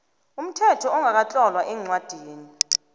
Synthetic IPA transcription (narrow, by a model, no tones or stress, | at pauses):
um̩tʰɛtʰɔɔŋak̬at͡ɬʼɔlwaʔɛŋ͡ǀwad̥ʱiːni